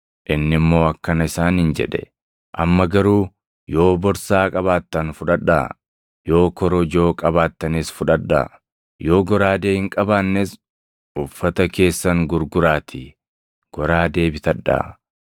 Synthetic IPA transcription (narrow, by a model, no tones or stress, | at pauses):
ʔɪnːɪmːo̞ːɐkːɐnɐɪsaːnhɪnd͡ʒɛ̰ᶑɛ̰ | ʔɐ̰mːɐɡɐɾuː | jo̞ːbɔɾsaːkʼɐβaːt̪ːɐnfʊᶑɐᶑːa̰ | jo̞ːkɔɾɔd͡ʒo̞ːkʼɐbaːt̪ːɐnɪsfʊᶑɐᶑːa̰ | jo̞ːɡɔɾaːd̪eːhɪŋkʼɐbaːnːes | ʔʊfːɐt̪ɐke̞ːsːɐŋɡʊɾɡʊɾaːt̪ʰɪ | ɡ̥ɔɾaːd̪e̞ːbɪt̪ɐᶑːa̰ː